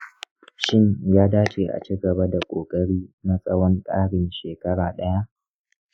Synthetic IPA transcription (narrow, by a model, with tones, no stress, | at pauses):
ʃɪ˦ɲjaː˦daː˦t͡ʃeː˨ʔa̰˨t͡ʃi˦ɡɐ˨ba˦da˨kʷʼoː˨kʼɐ˦ɽiː˦na˦sʼɐ˦wɔ˦ŋkʼaː˦ɽɪ˨nʃeː˨kɐ˦ɽaː˨ɗɐ˦ja˦ʔ